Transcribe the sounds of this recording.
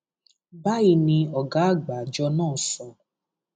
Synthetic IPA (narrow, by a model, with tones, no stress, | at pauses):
ba˦i˧nĩ˧ɔ˨ɡa˨˦˨ɡ͡ba˨d͡ʒɔ˧nãː˦˨sɔ̃˧